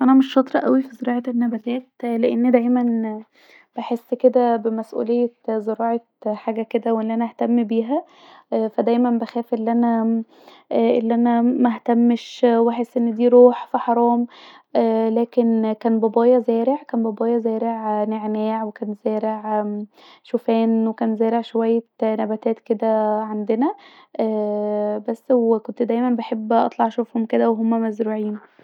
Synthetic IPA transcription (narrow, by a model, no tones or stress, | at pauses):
ʔænæmeʃfɑt̪ˤɾˤɑʔæwifizeɾɑːʕɑtenːæbæt̪æːt̪leʔenːd̪æjmæn | b̥eħesːked̪æbemæsʔṵːlejːet̪zeɾɑːʕɑ | ħaːɡæked̪æwʔelːiʔænææht̪æmːbiːɦæ | fæd̪æjmænbæxæːfʔelːiʔænæ | ʔelːiʔænæmæht̪æmːeʃwæħesːʔenːed̪iːɾuːħfiħɑɾˤɑːm | ʔæːlæːkenkæːnbɑbɑːjɑzæːɾeʕkæːnbɑbɑːjɑzæːɾeʕneʕnæːʕwekæːnzæːɾeʕ | ʃufæːnwekæːnzæːɾeʕʃowæjːænæbæt̪æːt̪ked̪æʕand̪enæ | ʔæːbæsːwekont̪d̪æjmænbeħebːʔɑ̰t̪ˤlɑʕʃofhomked̪æweɦomːæmæzɾuːʕiːn